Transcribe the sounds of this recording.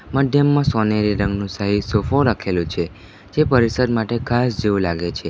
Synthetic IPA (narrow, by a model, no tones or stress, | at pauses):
məd̪ʱjəmːãsɔneɾiɾə̃ŋɡnũsaɦisofoɾəkʰelũt͡ʃʰe | d͡ʒepəɾisəd̪maʈekʰasd͡ʒeʋũlaɡet͡ʃʰe